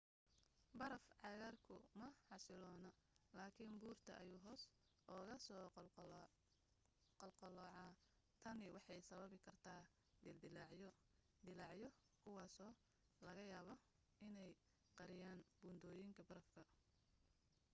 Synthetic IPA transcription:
bɐɾɐfʕɑɣaːrkʰʊmɐħɑsɪlɔːnɐlaːkʰiːnbuːrt̪ʰɐ̰ʔɐjuːɦɔːsʔɔːɣɐsɔː | qɑlqɑlɔːʕɑː | t̪ʰɐnɪwɑħɑjsɐβɐβɪkʰɐrt̪ʰaː | d̪ɪld̪ɪlʕ | d̪ɪlɑʕjɔ | kʰʊwɑːsɔː | lɐɣɐjaːβɔ | ɪnɛj | qɑɾɪjaːnbuːnd̪ɔːjɪŋkʰɐbɐɾɐfkʰɐ

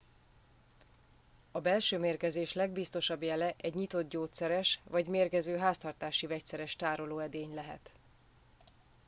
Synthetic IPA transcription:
ɒbɛlʃøːmeːrkɛzeːʃlɛɡbist̪o̞ʃɒbjɛlɛʔɛɟɲit̪o̞t̪̚ɟoːt̪sɛɾɛʃvɒɟmeːrkɛzøːɦaːst̪ɒrt̪aːʃivɛc̚sɛɾɛʃt̪aːɾo̞loːɛd̪eːɲlɛɦɛ̰t̪

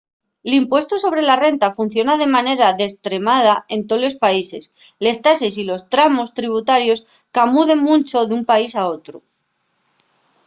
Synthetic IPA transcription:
elimpwe̞st̪oso̞β̞ɾe̞lare̞nt̪afun̟θjo̞naðemane̞ɾaðe̞st̪ɾe̞mað̞ae̞nt̪olo̞spaise̞s | le̞st̪asesilo̞st̪ɾamo̞st̪ɾiβ̞ut̪aɾjo̞s | kamuðe̞ŋmũnt͡ʃo̞ðumpaisao̞t̪ɾo

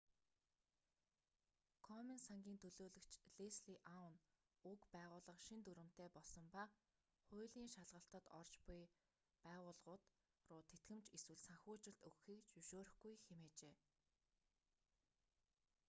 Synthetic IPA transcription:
kʰɔminsaŋɡʲiːnt̪ʰɵɮoːɮɵ̆kt͡ɕɮesɮiʔawn | ukpæːʁʊːɮə̆qʃint̪uɾɘ̆m̥t̪eːpɔɮsɞ̆mpa | χʊːɮiːŋʃaɮʁə̆ɬt̪ə̆t̪ɔ̰rt͡ɕpʊj | pæːʁʊːɮʁʊːt̪ | rʊːt̪ʰet̪ɡɘ̆mt͡ɕeswɘ̆ɮsaŋxʲʊːt͡ɕɪ̆ɬt̪ɵwxiːkt͡ɕuʃoːɾɵ̆xɡujxemeːt͡ɕeː

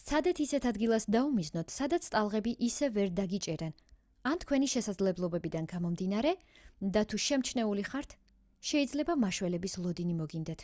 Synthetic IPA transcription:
sʰad̪ɛt̪ʰisɛt̪ʰad̪ɡilˠasd̪aumiznɔt̪ʰsad̪at̪sʰt̪ʼalˠʁɛbiʔisɛvɛɾd̪aɡit͡ʃʼɛɾɛn | ant̪ʰkʰwɛniʃɛsad̪zlɛblˠɔbɛbid̪anɡamɔmd̪inaɾɛd̪at̪ʰuʃɛmt͡ʃʰnɛuliχaɾt̪ʰ | ʃɛid̪zlɛbamaʃwɛlɛbislˠɔd̪inimɔɡind̪ɛt̪ʰ

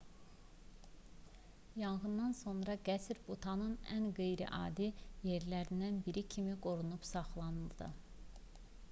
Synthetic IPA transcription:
jɑŋɣɯnːɑnso̞nɾɑɡæsɾbut̪ʰɑnɯnæ̰nɡejɾḭʔɑ̰ːd̪ije̞ɾlæɾind̪ænbiɾicʰimiɡo̞ɾunupsɑχlˠɑnɯlˠd̪ɯ̰

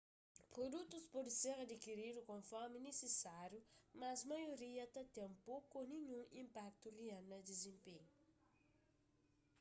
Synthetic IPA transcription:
pɾod̪ut̪uzpoliseʁad̪ikiɾiɾukõnfɔʁminesesaɾjumazmajoɾiat̪at̪ɛmpokoniɲũʔĩmpak̚t̪ulianəd̪ezẽmpeɲu

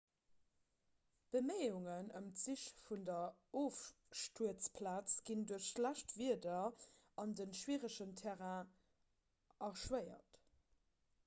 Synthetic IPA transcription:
b̥əmeɪuŋənəmt͡siʃfundɐoːf | ʃtuət͡spʰlaːt͡sɡ̥induəɐʃlæʃtviədɐ | ɑndənʃwiːʁəʃəntʰɛʁa | ʔɐʁʃwəɪɐ̰t

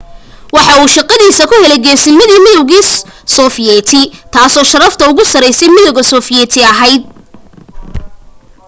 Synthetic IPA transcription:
wɑħɑuːʃɑqɑðiːsɐkʰʊhɛlɛjɡɛːsɪnmɪðiːmɪðɔwɣiːssɔfɪjɛːt̪ʰɪt̪ʰaːsɔːʃɐɾɐft̪ʰɐʊɣʊsɐɾɛjsɛjmɪðɔwɣɐsɔːfɪjɛːt̪ʰɪɐɦɛjd̪̚

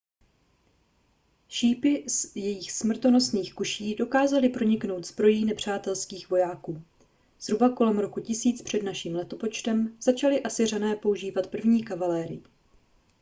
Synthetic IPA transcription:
ʃiːpɪzjɛjɪxsmr̩t̪o̞no̞sniːxkuʃiːdo̞kaːzalɪpɾo̞ɲɪkno̞wt̪zbɾo̞jiːnɛpr̝̥aːt̪ɛlskiːxvo̞jaːkuː | z̥ɦɾubako̞lɛmɾo̞kucɪsiːt͡spr̝̥ɛdnaʃiːmlɛt̪o̞po̞t͡ʃt̪ɛmz̥at͡ʃalɪʔasɪranɛːpo̞uʒiːvat̪pr̩vɲiːkavalɛːɾɪ̰jɪ

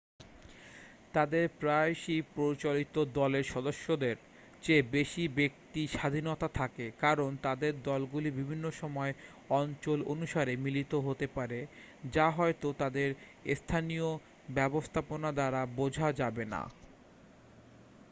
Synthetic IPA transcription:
t̪ad̪eɾpɾaeʃipɾoit͡ɕolit̪od̪ɔleɾʃɔd̪oʃːod̪eɾ | t͡ɕebeʃibek̚t̪iʃad̪ʱinot̪at̪ʰakekaɾont̪ad̪eɾd̪ɔlɡulibibʱinːoʃɔmɔe | ɔnt͡ɕolonuʃaɾemilit̪oɦot̪epaɾe | d͡ʑaɦɔet̪ot̪ad̪eɾ | st̪ʰanijo | bɛbost̪ʰaponad̪aɾabod͡ʑʱad͡ʑabena̰

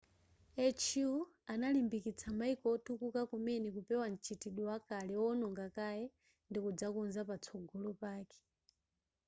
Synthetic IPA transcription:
ɛt͡ʃjuanalimbikit͡sʰamaikɔtukukakumɛnɛkupɛwan̩t͡ʃʰitiɗɔwakalɛwɔnɔŋɡakajɛ | ndikud͡zakunzapat͡sʰɔɡɔlɔpaːkɛ̥

